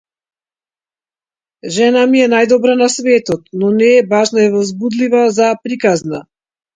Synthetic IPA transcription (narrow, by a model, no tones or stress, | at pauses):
ʒɛnamiɛnajd̪ɔbɾanasvɛt̪ɔt̪nɔnɛːbaʒnaɛvɔzbud̪livazapɾikazna